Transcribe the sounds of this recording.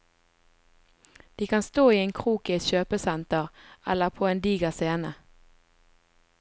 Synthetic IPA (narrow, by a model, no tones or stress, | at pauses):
d̪̥iːkʰɑnst̪oːiːeːŋkʰʁuːkɪɛt̪ʃøːpəsɛnt̪əʁɛ̰ləʁpʰoːeːnd̪iːɡəseːnə